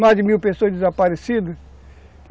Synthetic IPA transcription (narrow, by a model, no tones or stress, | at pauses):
majzd͡ʒɪmiwpesoɐzd͡ʒɪzapaɾesid̪ɐ